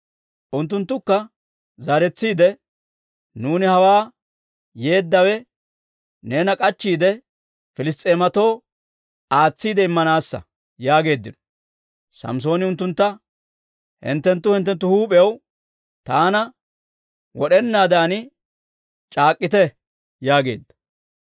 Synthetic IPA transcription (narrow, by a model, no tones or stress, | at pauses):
ʔʊnt̪ːʊnt̪ːʊkːɐ | zɐɾɛt͡sːiːd̪ɛ | nuːnɪhɐwaː | je̞ːd̪ːɐwɛ | ne̞ːnɐkʼɐt͡ʃːiːd̪ɛ | fɪlɪs̬t̪ʼːe̞ːmɐt̪o̞ː | aːt͡sːiːd̪ɛɪmːɐnaːsːɐ̰ | jaːɡe̞ːd̪ːɪnɔ | sɐ̰ms̬o̞ːnɪʊnt̪ːʊnt̪ːɐ | hɪ̰nt̪ːɛnt̪ːʊhɪnt̪ːɛnt̪ːʊhuːpʼɛjɐw | t̪aːnɐ | wɔɗɛnːaːd̪aːnɪ | t͡ʃʼaːkʼːɪt̪ɛ | jaːɡe̞̰ːd̪ːɐ̥